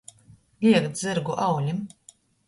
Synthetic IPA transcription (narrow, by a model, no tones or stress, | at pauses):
lʲiɛkt̪z̥ɨɾɡuʔawlʲim